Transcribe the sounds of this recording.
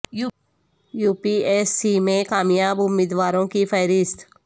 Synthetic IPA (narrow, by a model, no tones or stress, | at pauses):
juːpieːsːimẽkaːmjaːbʊmːiːd̪ʋaːɾõkipʰəːɾɪst̪